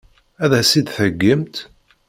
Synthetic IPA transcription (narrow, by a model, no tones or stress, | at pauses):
æðæsid̪θəɡːəmt̪